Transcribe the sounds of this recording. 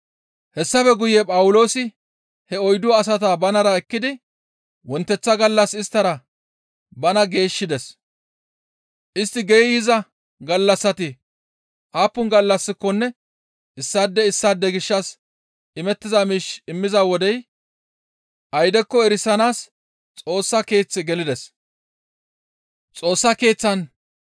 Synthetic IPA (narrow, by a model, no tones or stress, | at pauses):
hɛsːɐfɛɡʊjɛpʼɐwʊlo̞ːsɪ | hɛɔjd̪ʊwaːs̬ɐt̪aːbɐnɐɾɐɛkːɪd̪ɪ | wɔnt̪ːɛt͡sːɐɡɐlːɐsɪst̪ːɐɾɐ | bɐnɐɡe̞ːʃːɪd̪ɛs | ʔɪst̪ːɪɡɛjjɪzɐ | ɡɐlːɐsːɐt̪ɪ | ʔaːpːʊnɡɐlːɐsːɪkːɔnːɛ | ɪsːaːd̪ːɛɪsːaːd̪ːɛɡɪʃːɐs | ɪmɛt̪ːɪzamiːʃɪmːɪzawɔd̪ɛj | ʔɐjd̪ɛkːɔɛɾɪsɐnaːs | t͡sʼo̞ːsːɐke̞ːt͡sːɪɡɛlɪd̪ɛs | t͡sʼo̞ːsːɐke̞ːt͡sːɐn